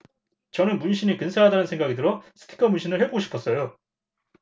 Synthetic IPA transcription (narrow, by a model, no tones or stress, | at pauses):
t͡ɕʌnɯnmunɕʰiɲikɯnsʰaɭɦadanɯnsʰeŋɡaɡidɯɾosʰɯ̥tʰi̥kʰʌmunɕʰinɯɭhe̞boɡoɕʰipʰʌs͈ʌjo